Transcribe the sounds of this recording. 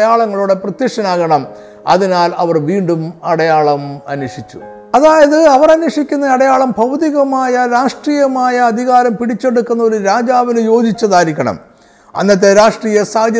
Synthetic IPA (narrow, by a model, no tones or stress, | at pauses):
jaːɭɐŋːɐɭuɽe̞prɐt̪jɐkʂɐnaːɣɐɳɐm | ɐ̰ðinaːlɐʋɐrʋiːɳɖumɐɽɐjaːɭɐmɐ̰nwɐʂit͡ɕːṵ | ɐðaːjɐðɨɐʋɐrɐnwɐʂikʲːunːɐɐɽɐjaːɭɐmbʱɐwðiɣɐmaːjɐɾaːʂʈriːjɐmaːjɐːd̪ʱiɣaːɾɐmpiɽit͡ɕːe̞ɽukːunːɐo̞ɾuɾaːd͡ʑaːʋinɨjo̞ːd̪it͡ɕːɐðaːɾikʲːɐɳɐ̰m | ɐ̰nːɐt̪ːeɾaːʂʈriːjɐsaːd̪